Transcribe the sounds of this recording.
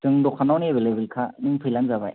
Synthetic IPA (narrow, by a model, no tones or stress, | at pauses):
tɯŋdɔkʰanawniebʱelebilkʰanɯŋpʰɯjlanzaba̰j